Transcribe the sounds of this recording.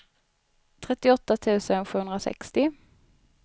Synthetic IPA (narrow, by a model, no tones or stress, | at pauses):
t̪ʰɾɛt̪ːɪɔt̪ːat̪ʰʉ̟ːsənɧʉːhɵnd̪ɾasɛ̰kst̪ɪ